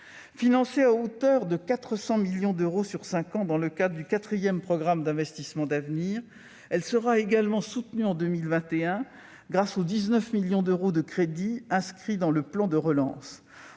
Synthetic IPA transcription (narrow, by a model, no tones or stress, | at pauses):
finɑ̃seaot̪œʁd̪əkat̪χəsɑ̃miljɔ̃d̪øʁosyʁsɛ̃kɑ̃d̪ɑ̃ləkad̪ʁəd̪ykat̪χijɛmpχɔɡʁamd̪ɛ̃vɛst̪ismɑ̃d̪avniːʁ | ɛlsəʁaeɡalmɑ̃sut̪nyɑ̃d̪ømilvɛ̃t̪eɛ̃ | ɡʁasod̪iznœfmiljɔ̃d̪øʁod̪əkχed̪iɛ̃skχid̪ɑ̃ləplɑ̃d̪əʁəlɑ̰̃s